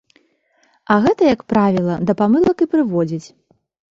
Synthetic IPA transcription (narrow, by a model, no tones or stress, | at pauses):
ɐɣɛt̪ɐjɐkpɾavʲilˠɐd̪ɐpamɨlˠɐkɨpɾɨvɔd͡zʲit͡sʲ